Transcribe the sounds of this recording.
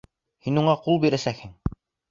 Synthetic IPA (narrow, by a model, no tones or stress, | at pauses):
hinuɴɑqulˠbiɾæsækhɘŋ